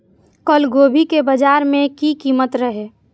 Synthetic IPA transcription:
kɔlɡoːbʱikebəd͡ʒaːɾmẽkikiːmət̪ɾəɦeː

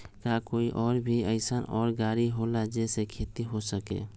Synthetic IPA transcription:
kakoːiʔɔːɾbʱiəɪsanɔːɾɡaːɾiɦolad͡ʒɛːsekʰeːt̪iɦosəkḛː

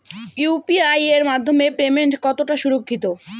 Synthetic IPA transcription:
jupiajeɾmad̪ʱːomepɾemeɳʈkɔt̪oʈaʃuɾokʰːit̪o

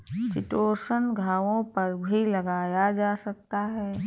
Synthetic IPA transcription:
t͡ʃɪʈoːsənɡʱaːʋõpɐɾbʱilɐɡaːjad͡ʒaːsɐk̚t̪aɦɛː

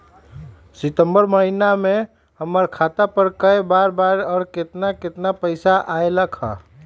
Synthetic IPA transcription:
sɪt̪əmbəɾməɦiname | həməɾkʰat̪apəɾkəebaːɾbaːɾɔːɾkɪt̪nakɪt̪napəɪsaʔaeləkʰa̰

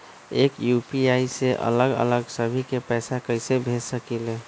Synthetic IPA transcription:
ekjupiaiseʔə̰ləɡə̰ləɡsəbʱikepɛsakəjsebʱesəkile

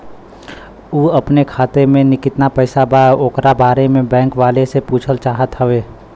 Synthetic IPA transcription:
uːɐpnekʰaːt̪emẽnɪkɪt̪napɛɪsabaoːkɾabaːɾemẽbɛ̃ːŋkʋaːlesepuːt͡ʃʰəlt͡ʃaːɦət̪ɦəʋeː

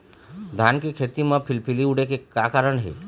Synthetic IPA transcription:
d̪ʱankekʰet̪imãpʰɪlpʰiliuɽekekakaɾəɳɦḛ

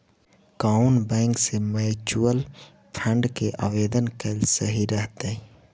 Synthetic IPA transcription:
kaːʊnbɛ̃ːŋksemɛːt͡ʃuəl | pʰə̃ɳɖkeʔa̰ʋeːd̪ənkelsɐɦiɾəɦt̪e

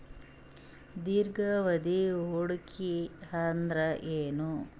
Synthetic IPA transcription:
d̪iɾɡɐʋɐd̪iɦoːɽukʰihand̪ɾɐʔeːnu

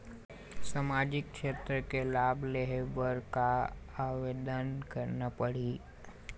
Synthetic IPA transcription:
samaːd͡ʒɪk̚kʃeːt̪ɾəkelaːbʱleɦebəɾkaaʋed̪ənkəɾnapəɽi

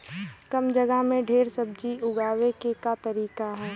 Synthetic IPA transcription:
kəmd͡ʒəɡəɦmẽɖʱeːɾsəb̚d͡ʒiʊɡaːʋekekat̪ɐɾiːkaɦɛː

